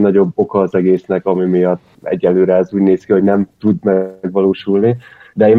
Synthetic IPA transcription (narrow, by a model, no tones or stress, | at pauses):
nɒɟo̞bːo̞kɒːzɛɡeːsnɛkɒmimijɒt̪ːɛ̰ɟːɛlːøːɾɛɛzuːɟneːskiɦo̞ɟnɛmt̪ud̪mɛɡʋɒloːʃulnid̪ɛeːm